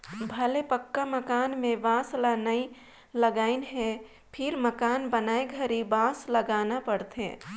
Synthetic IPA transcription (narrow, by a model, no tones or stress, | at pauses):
bʱəlepəkːaməkaːnmẽʋãːslanəi | ləɡaːɪnɦɛ̃ | pʰɪɾməkaːnbənaːeɡʱəɾibãːsləɡaːnapəɽt̪ḛ̃ː